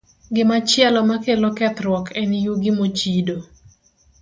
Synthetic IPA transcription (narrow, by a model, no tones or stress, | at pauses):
ɡɪmat͡ʃɪɛlɔmakelokɛt̪rwɔkʰɛnijuɡɪmot͡ʃido